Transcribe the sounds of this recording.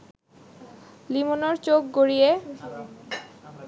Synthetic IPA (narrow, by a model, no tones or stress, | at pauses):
limonoɾt͡ɕok̚ɡoɾije